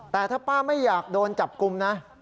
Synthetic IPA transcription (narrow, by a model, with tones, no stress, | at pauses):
t̪ɛː˨˩t̪ʰaː˥˩paː˥˩ma˥˩jːaː˨˩k̚doː˧nt͡ɕa˨˩p̚ku˧mna˦˥